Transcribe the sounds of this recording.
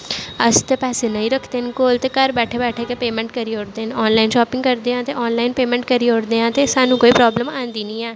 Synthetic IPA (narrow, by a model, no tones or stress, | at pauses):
əst̪eːpɛːseːnəĩːɾəkʰd̪eːɦnkoːlt̪eːkəɾbɛːʈʰeːbɛːʈʰeːkeːpeːmɛ̃ːɳʈ̚kəɾiːoːɾd̪eːɦənɔːnlaːinʃɔːpɪ̃ŋɡkəɾd̪eːãːt̪eːʔɔːnlaːinpeːmɛ̃ːɳʈ̚kəɾiːoːɾd̪eːãːt̪eːsaːnũːkoːiːpɾɔːbləmaːnd̪iːnĩːɛː